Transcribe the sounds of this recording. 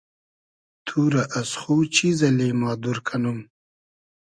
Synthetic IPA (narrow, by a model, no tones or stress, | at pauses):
t̪ʰuːɾaʔasχut͡ʃʰizɐleːmɑːd̪uɾkʰanum